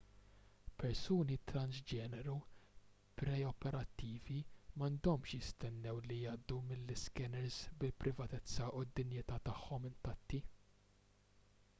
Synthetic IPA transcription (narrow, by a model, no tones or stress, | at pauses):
pɛɾsuːnit̪ɾɐnzd͡ʒɛːnɛɾu | pɾɛɔpɛɾɐt̪ːiːvimɐnd̪ɔmʃjɪst̪ɛnːɛwlijɐːd̪ːumɪlːɪskɛnɛɾzbɪlpɾʔɪvɐt̪ɛt͡sːɐʔʊd̪ːɪnjɪt̪ɐːt̪ɐħːɔmɪnt̪ɐt̪ːi